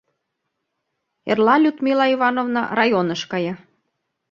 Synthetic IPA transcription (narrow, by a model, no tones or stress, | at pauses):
ḛrlɑlʲut̪mʲilɑivɑnovnɑ̰rɑjonɤ̆ʃkɑjɑ